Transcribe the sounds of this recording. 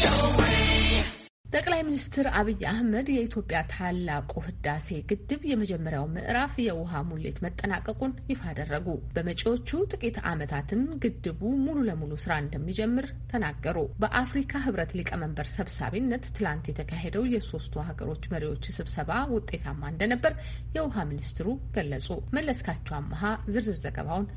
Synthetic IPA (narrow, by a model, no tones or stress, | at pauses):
t̪ʼəkʼlajminist̪ʰɨɾaβɨjːʔahməd̪jɛit̪ʰjo̞pʼjat̪ʰalːakʼuhɨd̪ːase̞ɡɨd̪ːɨβjɛməd͡ʒɛmːəɾjawmɨ̰ʔɾafjɛwʊɦamulːḛt̪mət̪ʼːənakʼːəkʼunjɪfad̪ərːəɡub̥əmət͡ʃʼo̞t͡ʃːut̪ʼɨkʼit̪a̰mət̪ʰat̪ʰɨmɡɨd̪ːɨβumululəmulusɨɾaɨnd̪əmːid͡ʒɛmːɨɾ | t̪ʰənaɡːəɾubəʔafɾikʰaɦɨβɾət̪lɨkʼəməmbəɾsəβsa̰βinːət̪ːɨlant̪jɛt̪ʰəkʰaɦe̞d̪əwjɛso̞st̪ʰuhaɡə̰ɾo̞t͡ʃːməɾiwo̞t͡ʃːsɨβsəβawʊt̪ʼːe̞t̪ʰamːaɨnd̪ənəbːəɾ | jɛwʊɦaminist̪ʰɨɾuɡ̥əlːəsʼoməlːəskʰat͡ʃːɛwamːaɦazɨɾzɨɾzəɡə̰βawn